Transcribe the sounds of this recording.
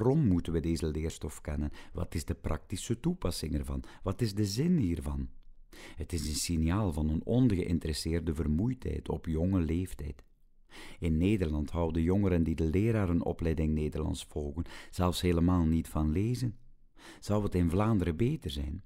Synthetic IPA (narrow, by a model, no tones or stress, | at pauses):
rɔmːutənʋədeːzəlɪːrstɔfkɛnənʋɑ̰tɪzdəprʔɑ̰k̚tisətupɑsɪŋɛrvɑ̰nʋɑtɪzdəzɪnɦiːrvɑn | ɦətɪzənsɪnijaːlˠvɑnənɔnɣəʔɪntəɾɛsɪːrdəvərmujtɦɛ̰jtʰɔ̰pjɔŋəleːftɛ̰jt | ɪnːeːdərlɑntɦɑwdəjɔŋəɾəndidəlɪːɾaːɾənɔ̰plɛjdɪŋneːdərlɑ̰ntsfɔlˠɣənz̥ɛlˠfsɦeːləmaːlˠnitfɑnleːzən | z̥ɑwətɪnvlaːndəɾəbeːtərzɛ̰jn